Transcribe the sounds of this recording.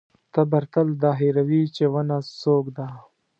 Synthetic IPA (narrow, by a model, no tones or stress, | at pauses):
t̪ɐbɐɾt̪əld̪ɑːɦiɾawit͡ʃewɐnasoːkd̪a